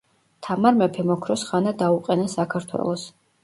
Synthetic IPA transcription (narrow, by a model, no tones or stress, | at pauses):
t̪ʰamaɾmɛpʰɛmɔkʰɾɔsχanad̪auqʼɛnasakʰaɾt̪ʰwɛ̰lˠɔs